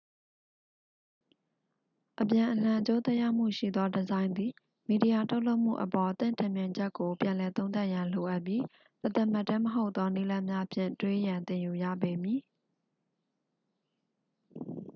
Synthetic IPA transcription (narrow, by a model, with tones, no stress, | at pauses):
ʔəpjã˨ʔəlã˨ʔət͡ɕo˦t̪ɛ˦ʔja̰˦ʊm̥ṵ˦˨ʃḭ˦˨d̪ɔ˦dəzã˦ɪ̃nd̪i˨ | mi˨di˨ja˨tʰo˦ʊʔlo˦ʊʔm̥ṵ˦˨ʔəpɔ˨t̪ɪ̰̃˦˨ntʰɪ̃˨mjã˨ɲd͡ʑɛ˦ʔkːo˨pjã˨lɛ˨t̪õ˦ʊ̃nt̪̬a˦ʔjã˨lo˨ʔa˦ʔpji˦ | t̪ət̪a˦˨ma˦˨tːɛ˦məɦo˦ʊʔt̪ːɔ˦ni˦lã˦mja˦əpʰjɪ̰̃˦˨ntwe˦jã˨nt̪ɪ̃˨ju˨jä̰˦˨be˨mji˨